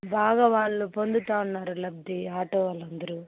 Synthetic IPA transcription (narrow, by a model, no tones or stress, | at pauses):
bʱaːɡɐʋaːɭupond̪ut̪aːnːaːɾulɐb̚d̪iaːʈoːɐlɐnd̪ɾu